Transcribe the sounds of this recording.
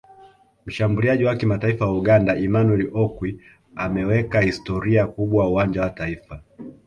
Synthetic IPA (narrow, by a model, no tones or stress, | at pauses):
m̩ʃambuliaʄiwakimataifawauɠandaʔimanwɛliʔɔkwi | amɛwɛkahistɔɾiakuɓwawauwaɲd͡ʒawataifa